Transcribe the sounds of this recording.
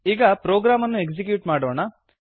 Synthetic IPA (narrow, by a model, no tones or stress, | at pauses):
iːɡɐpɾoːɡɾaːmɐnːueksik̬juːʈmaːɽoːɳɐ